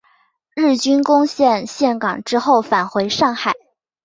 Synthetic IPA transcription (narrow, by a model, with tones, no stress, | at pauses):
ɻ̩˥˩t͡ɕy˥nkʊ˥ŋɕjɛ˥˧nɕjɛ˥˩nkɑ˨˩ŋʈ͡ʂɻ̩˥xo˥˩ʊfa˨˩nxwe˧˥ɪʂɑ˥˩ŋxa˨˩˦ɪ